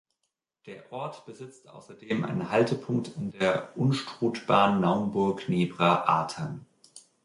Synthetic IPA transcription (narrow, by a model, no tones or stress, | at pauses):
d̥eːɐʔɔɐtb̥əzɪt͡stʔa̰ʊsɐdeːma̰ɪnnhaltəpʰʊŋk̚tɪndeːɐʔʊnʃtʁ̥uːtb̥aːʁənːaʊnbʊɐkneːbʁaʔa̰ːtʰan